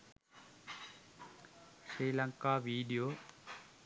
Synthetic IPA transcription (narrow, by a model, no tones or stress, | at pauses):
ɕɾiːlɐŋkaːʋiːɖijoː